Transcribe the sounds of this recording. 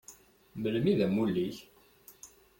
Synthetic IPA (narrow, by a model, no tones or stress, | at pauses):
məlmiðæmulːiç